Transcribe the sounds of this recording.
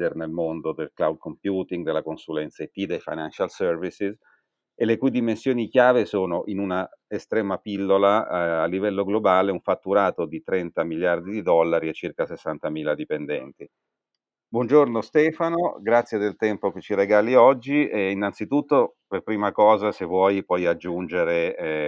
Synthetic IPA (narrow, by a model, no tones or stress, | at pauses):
ernelmond̪od̪elklawd̪̚kompjuːt̪iŋɡd̪elakonsulɛnt̪sat̪id̪ejfa̰jnanʃalsɛrvisiz | elekujd̪imensjoːnikjaːvesoːnoʔinuna | est̪ɾɛːmapilːolaːlːivɛlːoɡlobaːleuɱfat̪ːuɾaːt̪od̪it̪ɾɛnt̪amiljard̪id̪id̪ɔlːaɾiet͡ʃːirkasesːant̪amiːlad̪ipend̪ɛ̰nt̪i | bwɔnd͡ʒornost̪ɛːfanoɡɾat̪sːjed̪elt̪ɛmpoket͡ʃːiɾeɡaːliɔd͡ʒːiʔeinːant̪sit̪ut̪ːo | perpɾiːmakɔːzasevːwɔjpɔjad͡ʒːund͡ʒeɾe